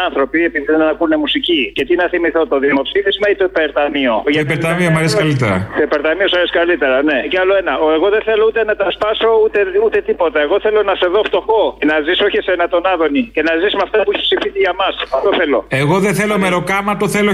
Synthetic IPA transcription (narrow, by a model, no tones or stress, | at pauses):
ɐnθɾo̞piepiðiðenɐnɐkuunemusicice̞t̪inɐθimiθo̞t̪o̞ðimo̞psifizmɐit̪opeɾt̪ɐmio̞ʝɐpeɾt̪ɐmiomɐɾesikɐlit̪eɾɐ̰t̪opeɾt̪ɐmiosɐɾesi̥kɐlit̪e̞ɾɐne̞ceɐlo̞enɐoeɣo̞ðeθe̞lout̪e̞nɐt̪ɐspɐso̞ut̪eut̪e̞t̪ipo̞t̪ɐeɣo̞θe̞lo̞nɐse̞ðo̞ft̪o̞xo̞enɐziso̞çesenɐt̪o̞nɐðo̞nice̞nɐzismɐft̪ɐpuiçepsifisiʝɐmɐsɐft̪o̞θe̞lo̞̰eɣo̞ðeθelomeɾo̞kɐmɐt̪oθelo